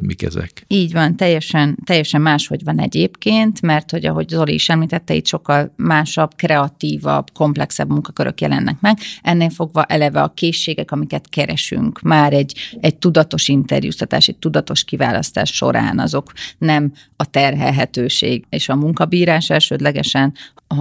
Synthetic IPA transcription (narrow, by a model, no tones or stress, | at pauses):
mikɛ̰zɛ̰kiːɟvɒnt̪ɛjːɛʃɛnt̪ɛjːɛʃɛmːaːʃho̞ɟvɒnɛ̰ɟeːpkeːnt̪mɛrt̪ho̞ɟɒ̰ɦo̞ɟzo̞lḭiʃɛmliːt̪ɛt̪ːɛḭt̪ʃo̞kːɒlmaːʃɒbkrɛɒt̪iːvɒ̰bko̞mplɛksɛ̰bmuŋkɒkøɾʔø̰kjɛlɛnːɛkmɛɡʔɛnːeːlfo̞ɡvɒʔɛlɛvɛɒkeːʃːeːɡɛkɒmikɛt̪kɛɾɛʃy̰ŋkmaːɾɛɟːɛɟ̚t̪ud̪ɒt̪o̞ʃint̪ɛ̰rjṵːst̪ɒt̪aːʃɛc̚t̪ud̪ɒt̪o̞ʃkiva̰ːlɒ̰st̪a̰ːʃːo̞̰ɾa̰ːnɒ̰zo̞knɛm | ɒt̪ɛrɦɛ̰lɦɛt̪øːʃḛːɡeːʃɒmuŋkɒbiːɾaːʃɛlʃøːd̪lɛɡɛʃɛn